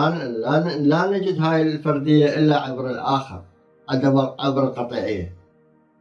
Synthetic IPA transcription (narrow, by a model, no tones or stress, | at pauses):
alaːnad͡ʒɪd̪haːjɪlfɑɾˤd̪ɪjːaʔɪlːaʕabɾɪlʔaːxə̰ɾˤ | ʕad̪amʕabɾɪlqɑt̪ˤḭːʕɪjːa